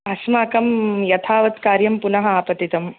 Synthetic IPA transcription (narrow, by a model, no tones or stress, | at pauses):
ɐsmaːkɐmjɐt̪ʰaːʋɐt̪kaːɾjɐmpunɐɦɐaːpɐt̪it̪ɐm